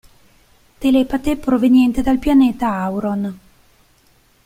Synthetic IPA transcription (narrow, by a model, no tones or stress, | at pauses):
t̪elepat̪epɾovenjɛnt̪ed̪alpjaneːt̪aawɾon